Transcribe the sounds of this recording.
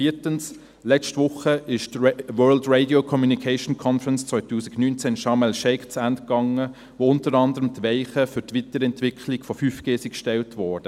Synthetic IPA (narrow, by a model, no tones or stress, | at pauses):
fiːtəns | lɛt͡ʃtvʋʊχəɪʃtwœːɹldɹeɪdiokʰɔmjunikʰaɪʃnkʰɔnfəɾənst͡sʋœɪtuːsi̥ɡnynt͡sɛnʃɑmɛlʃɛɪkt͡sændkɑŋə | ʋoːʊntəɾɑndəɾəmtʋɛɪχəfʏtʋitəɾɛntʋɪkʰlɪɡfɔfyːfɡ̥eːsikʃtɛltʋɔːɹd̥ə